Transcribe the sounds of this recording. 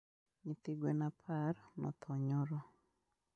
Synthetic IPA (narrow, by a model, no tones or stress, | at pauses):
ɲɪt̪ɪɡwenapʰarnɔ̰t̪ʰɔɲɔɾɔ